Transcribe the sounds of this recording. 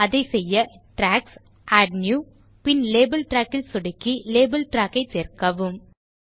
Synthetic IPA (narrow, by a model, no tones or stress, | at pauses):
ɐðɐɪsɛjːɐʈɾaːks | ʔaːɖnjuː | pɪnleːbɐlʈɾaːkːɪlsʊɽɪkːileːbɐlʈɾaːkːɐɪseːrkɐʋɯm